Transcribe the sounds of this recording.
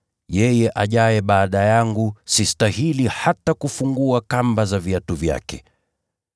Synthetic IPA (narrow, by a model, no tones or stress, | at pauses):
jɛjɛʔaʄajɛɓaːɗajaŋɡusistahilihatakufuŋɡuakambazaviatuvja̰kɛ